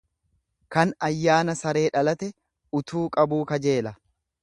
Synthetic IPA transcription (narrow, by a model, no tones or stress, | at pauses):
kɐnɐjːaːnɐsɐɾe̞ːᶑɐlɐt̪ɛ | ʊt̪ʰuːkʼɐbuːkɐd͡ʒe̞ːlɐ